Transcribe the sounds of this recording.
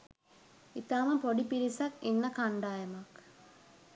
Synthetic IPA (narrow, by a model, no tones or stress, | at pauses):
it̪aːmɐpoɖipiɾisɐkinːɐkaɳɖaːjɐmɐk